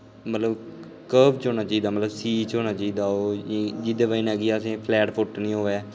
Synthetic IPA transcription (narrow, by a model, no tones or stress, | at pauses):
mət̪ləb | kəːbt͡ʃɦoːnaːt͡ʃaːiːd̪aːmət̪ləbsiːt͡ʃoːnaːt͡ʃaːiːd̪aːoːd͡ʒɪd̪eːʋəinɛːɡiasẽːpʰlɛːʈpʰʊʈnĩːɦoːeɛː